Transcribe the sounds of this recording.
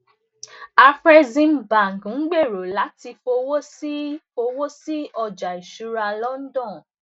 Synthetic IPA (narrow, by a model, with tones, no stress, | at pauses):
a˧fɾɛ˧zĩ˦˧mba˨ŋ˨ɡn̩˦ɡ͡be˦˨ɾo˨la˨˦ti˧fo˧wo˦si˦fo˧wo˦si˦ɔ˧d͡ʒa˨i˨ʃu˨˦ɾa˧lɔ˦n̩˦dɔ̃˦˨